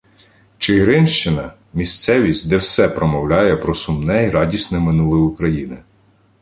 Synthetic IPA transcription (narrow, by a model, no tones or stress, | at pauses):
t͡ʃɪɦɾɪnʃt͡ʃɪnɐ | mʲisʲt̪sɛʋʲisʲtʲd̪ɛwsɛpɾɔmɔwlʲɑjɛpɾɔsʊmnɛiɾɑdʲisʲnɛmɪnulˠɪʊkɾɐjinɪ